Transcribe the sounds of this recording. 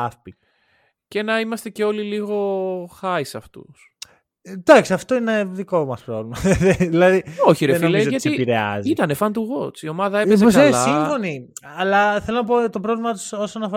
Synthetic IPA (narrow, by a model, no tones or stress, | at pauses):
ɐfpi | ce̞nɐimɐst̪e̞ce̞o̞liliɣo̞xɐisɐft̪ṵs | d̪ɐksiɐft̪oineðiko̞mɐspɾovlimɐeðilɐðioçiɾeileʝɐt̪iipiɾeɐ̰zit̪ɐnefɐnd̪uɣoet͡sio̞mɐðɐepezeskɐelsɐiɱfo̞ni | ɐlɐθelonɐp̬ot̪opɾo̞vlimɐt̪u̥sosɐnɐf